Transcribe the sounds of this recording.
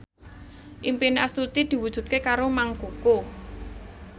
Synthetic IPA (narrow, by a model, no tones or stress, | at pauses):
ʔimpinast̪ut̪id̪̥i̤wud̥ʒ̥ṳt̪̚kekaɾomaŋɡuko